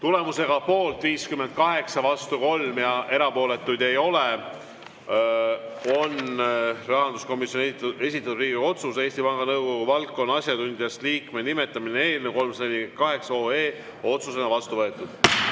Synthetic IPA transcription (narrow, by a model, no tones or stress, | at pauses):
t̪ule̞muse̞ɡ̥ɑpo̞ːlt̪viːskymend̪̥̚kɑɦe̞ksɑvɑst̪uko̞lmjɑʔe̞ɾɑpo̞ːle̞t̪ːˑujd̪̥e̞jo̞le | o̞nrɑɦɑnd̪usko̞misjo̞ne̞sʲit̪ːˑɑt̪ud̪riːɡio̞t̪suse̞ːsʲt̪ipɑŋɡ̥ɑnɤwɡo̞ɡ̥uvɑlt̚kːˑo̞nːɑsʲjɑt̪und̪iɑst̪liːkmenime̞t̪ːˑɑminee̞ːlnewko̞lmsenikɑɦe̞ksɑo̞ːe̞ː | o̞t̪sus̬enɑvɑst̪uvɤe̞t̪ːˑud̪̥